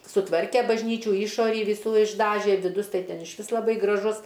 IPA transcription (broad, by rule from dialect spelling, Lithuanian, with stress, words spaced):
sʊˈtʋɐrʲkʲɛ bɐʒʲˈnʲiːt͡ʃʲuː ˈiːʃoːrʲiː ʋʲɪˈsuː ɪʒˈdɑːʒʲɛ ʋʲɪˈdʊs ˈtɐɪ ˈtʲɛn ɪʃʲˈʋʲɪs lˠɐˈbɐɪ ɡrɐˈʒʊs